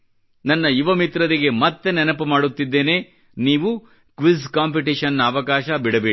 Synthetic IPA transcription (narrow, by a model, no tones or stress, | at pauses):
nɐnːɐiʋɐmit̪ɾɐɾiɡe̞mɐt̪ːenɛnɐpɐmaːɽut̪ːid̪ːe̞ːne̞ː | niːʋu | kʋiskaːmp̬iʈiʃɐnːɐɐʋɐkaːʃɐbiɽɐbeː